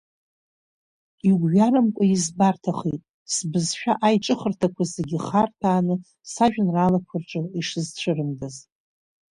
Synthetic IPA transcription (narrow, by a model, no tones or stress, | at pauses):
iɡʷɥaɾamkʷʼaizbartʰaχejtʼ | sbɨzʃᶣaʔajʈ͡ʂʼɨχərtʰakʷʰazeɡʲɪχartʰaːnɨ | saʒᶣɪnralakʷʰʊrʈ͡ʂʼɨiʂɨzt͡ɕʷʰɨrɨmdaz